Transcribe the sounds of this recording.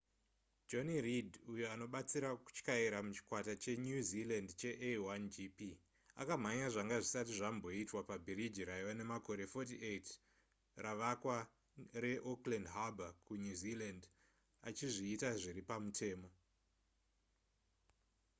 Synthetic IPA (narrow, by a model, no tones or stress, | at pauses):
d͡ʒo̞niridujoano̞ɓat͡siɾaku̥t͡ʃkaiɾamut͡ʃi̥kwatat͡ʃe̞ɲuzilandt͡ʃe̞ʔewand͡ʒipi | a̰kam̤aɲaʐaŋɡaʐisatiʐambo̞itwapabʱiɾid͡ʒiɾaiane̞mako̞ɾe̞fo̞tiʔet | raʋakwa | re̞ʔoklandɦabʱakuɲuziland | at͡ʃiʐiːtaʐiɾipamutʰe̞ːmo̞